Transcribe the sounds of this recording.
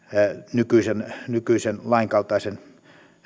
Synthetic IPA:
nykyˑisennykyˑisenlɑiŋkɑlt̪ɑˑisen

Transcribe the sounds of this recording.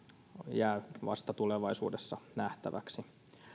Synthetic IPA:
jæːʋɑ̰st̪ɑt̪uleʋɑisuːdesːɑnæht̪æʋæksi

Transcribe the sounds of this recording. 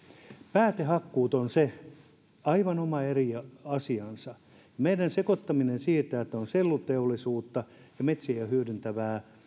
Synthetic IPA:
pæːt̪ehɑkːuːt̪onse | ɑiʋɑnomɑeriɑsiɑnsɑ | jɑmeidænsekot̪ːɑminensiːt̪æet̪ːæonselːut̪eolːisuːt̪ːɑ | jɑmet̪sijæhyødynt̪æʋæː

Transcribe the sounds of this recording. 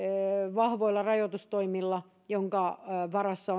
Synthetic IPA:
ʋɑhʋoilːɑrɑjot̪ust̪oimilːɑ | joŋkɑʋɑrɑsːɑo

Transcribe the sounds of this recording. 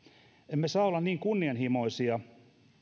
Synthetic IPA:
emːesɑːolːɑnniːŋkunːiɑnhimo̞isiɑ

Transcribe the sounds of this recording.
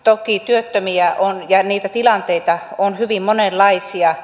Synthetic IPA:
t̪okit̪yøt̪ːømiæʔonjɑniːt̪æt̪ilɑnt̪eit̪ɑonhyʋimmonelːɑisiɑ

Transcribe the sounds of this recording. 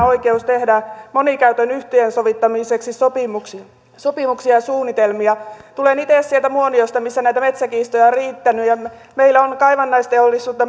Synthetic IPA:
oikeust̪ehdæmonikæyt̪ønyht̪eːnsoʋit̪ːɑmiseksisopimuks | sopimuksiɑsuːnit̪elmiɑt̪ulenit̪eˑssielt̪æmuoniost̪ɑmisːænæit̪æmet̪sækiːst̪ojɑriːt̪ːænyjɑmeilːæonkɑiʋɑnːɑist̪eolːisːuːt̪ːɑ

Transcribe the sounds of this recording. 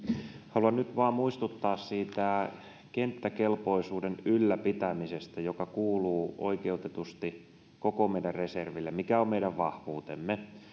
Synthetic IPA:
hɑluɑnnyt̪ʋɑːmmuist̪ut̪ːɑːssiːt̪æ | kent̪ːækelpoisuːdenylːæpit̪æmisest̪æjokɑkuːluːo̰ikeut̪et̪ust̪i | kokomeiɾærreserʋilːemikæommeiɾæʋʋɑhʋuːt̪emːe

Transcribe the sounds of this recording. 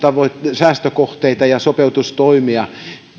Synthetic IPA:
t̪ɑʋotsæːst̪økoht̪eit̪ɑjɑsopeut̪ust̪oimiɑ

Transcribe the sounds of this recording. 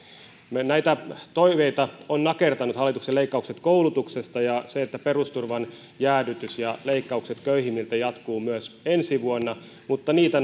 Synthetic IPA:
næit̪æt̪oiʋeit̪ɑonnɑkert̪ɑnut̪hɑlːˑit̪ukseleikːɑukset̪koulut̪uksest̪ɑjɑseet̪ːæperust̪urʋɑn | jæːdyt̪ysjɑleikːɑukset̪køihimːilt̪æjɑt̪kuːmyøsensiʋuonːɑ | mut̪ːɑniːt̪æ

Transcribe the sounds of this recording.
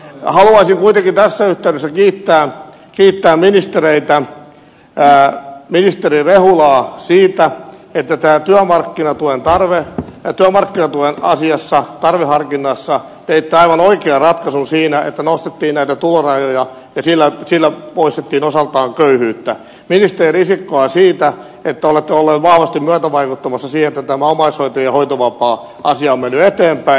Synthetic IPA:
hɑluɑisiŋkuit̪eŋkint̪æsːæyht̪æydøsːækiːt̪ːæː | kiːt̪ːæːminist̪ereit̪æ | minist̪erirehulɑːsiːt̪æet̪ːæt̪æːt̪yæmɑrkːinɑt̪uent̪ɑrʋet̪yæmɑrkːinɑt̪uenɑ̰siɑsːɑt̪ɑrʋehɑrkinːɑsːɑ | t̪eit̪ːeɑiʋɑnoikeɑrɑt̪kɑsunsiːnæʔḛt̪ːænost̪et̪ːiːnnæit̪æt̪ulorɑjojɑ | jɑsilːæsilːæpoist̪et̪ːiːnosɑlt̪ɑːŋkøyhyːt̪ːæ | minist̪erisikːoɑsiːt̪æ | et̪ːæolet̪ːeolːeːt̪ʋɑhʋɑst̪immyœt̪æʋɑikut̪ːɑmɑsːɑsiːhenet̪ːæt̪æmæomɑishoit̪ojɑhoit̪oʋɑpɑː | ɑsiɑomenːyet̪eːmpæi

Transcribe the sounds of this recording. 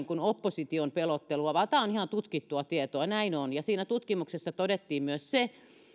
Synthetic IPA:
ŋkunopːosit̪iompelot̪ːeluɑʋɑt̪ɑˑonihɑnt̪ut̪kit̪ːuɑt̪iet̪oɑnæinonjɑsiːnæt̪ut̪kimuksesːɑt̪odet̪ːiːmmyøsse

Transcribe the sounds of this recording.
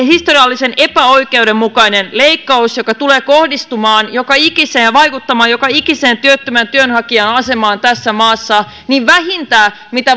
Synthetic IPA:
hist̪oriɑlːisenepæoikeudemːmukɑinenleikːɑusjokɑt̪uleːkohdist̪umɑːnjokɑikiseːʋɑikut̪ːɑmɑːjo̞kɑikiseːnt̪yøt̪ːømænt̪yønhɑkiɑnɑse̞mɑːnt̪æsːæmɑːsːɑ | niʋʋæhint̪æː | mit̪æ

